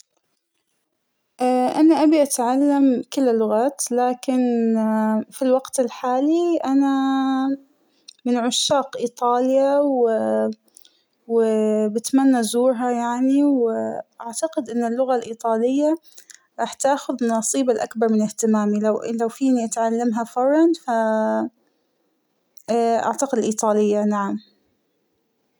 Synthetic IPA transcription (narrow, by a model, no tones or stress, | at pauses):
ʔaʔanaʔabiʔat̪ʕalːamkɪlːlːʊɣaːt̪laːkɪn | filwaɡt̪ɪlħaːliʔana | mɪnʕʊʃːaːqʔiːt̪ˤɑːljaw | wbɪt̪manːazuːɾɦajaʕniwʔaʕt̪aqɪd̪ʔɪnːɪlːʊɣalʔiːt̪ˤɑːlɪjːa | ɾˤɑːħt̪aːxʊðnɑsˤiːbalʔakbɑɾˤmɪnɪht̪ɪmaːmilawlawfiːniʔat̪ʕalːamɦafɑrˤːɑnfa | ʔa̰ʕt̪aqɪd̪ɪlʔiːt̪ˤɑːlɪjːanaʕam